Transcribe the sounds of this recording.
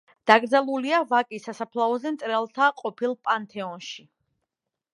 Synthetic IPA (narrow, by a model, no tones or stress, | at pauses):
d̪̥aɡɾd̪zalˠuliavakʼisasapʰlˠaɔzɛmt̪sʼɾɛlˠt̪ʰaqʼɔpʰilˠpʼant̪ʰɛɔnʃi